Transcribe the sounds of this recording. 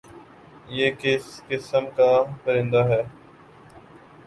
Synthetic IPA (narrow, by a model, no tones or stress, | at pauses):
jeːkɪskɪsəmkaːpəɾɪ̃ːnd̪aːɦɛː